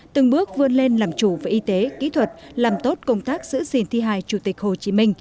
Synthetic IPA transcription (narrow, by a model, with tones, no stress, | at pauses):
t̪ɨ˨˧˩ŋɓɨ˦˥ək̚vɨ˧ənle˧nlaː˨˩mt͡ɕu˧˩vaː˨˩ʔi˧t̪e˨˦kḭ˧˥t̪ʰwə˨˩t̚laː˨˩mt̪o˦˥t̚kə˧wŋ͡mt̪aː˦˥k̚z̥ɨ̰˧˥si˧˩nt̪ʰi˧ɦaː˧˩jt͡ɕu˧˩t̪ï˨˩k̟̚ho˨˩t͡ɕi˨˦mï˧ŋ̟